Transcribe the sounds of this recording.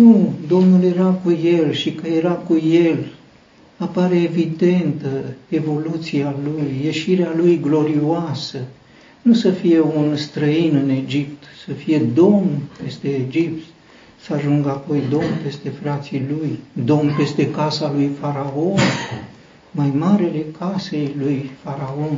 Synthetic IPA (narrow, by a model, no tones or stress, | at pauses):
nud̪o̞mnulje̞ɾakuje̞lʃikəje̞ɾakuje̞l | apaɾeːvid̪e̞nt̪əe̞vo̞lut̪sialujːe̞ʃiɾealujɡlo̞ɾioasə | nusəfije̞unst̪ɾəinɨne̞d͡ʒip̚t̪səfije̞d̪o̞mpe̞st̪eːd͡ʒipt̪ | səaʒuŋɡapo̞jd̪o̞mpe̞st̪e̞fɾat̪silujd̪o̞mpe̞st̪e̞kasalujfaɾao̞n | majmaɾele̞kase̞jlujfaɾao̞n